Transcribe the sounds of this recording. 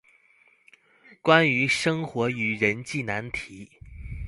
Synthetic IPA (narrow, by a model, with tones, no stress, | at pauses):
kwa˥ny˧˥ʂɤ˥ŋxwɔ˧˥y˨˩ɻə˧˥nt͡ɕi˥˩na˧˥nt̪ʰi˧˥˦